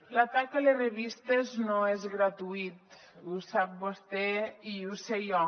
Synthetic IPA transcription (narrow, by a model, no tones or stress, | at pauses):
lat̪akalereβist̪eznoezɣɾat̪uit̪ | usap̚bost̪ɛiusejɔ